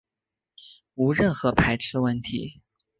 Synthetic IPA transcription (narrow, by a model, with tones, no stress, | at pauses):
u˧˥ɻə˥˩nxɤ˧˥pʰa˧˥ɪʈ͡ʂʰɻ̩˥˧wə˥˩nt̪ʰḭ˧˥